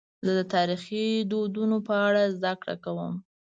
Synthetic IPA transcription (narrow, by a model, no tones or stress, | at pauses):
zəd̪ət̪ɑɾixid̪od̪unopəaɽazd̪akɽa̰kawəm